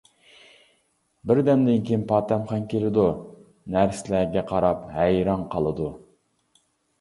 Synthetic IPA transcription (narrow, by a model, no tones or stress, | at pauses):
bɪɾd̪ɛmd̪ɪnkʲijnpʰɑːt̪ɛmχɑnkʲelɪd̪u | næɾsɪlæɡʲɛqʰɑɾɑphæjɾɑŋqʰɑlˠɨd̪u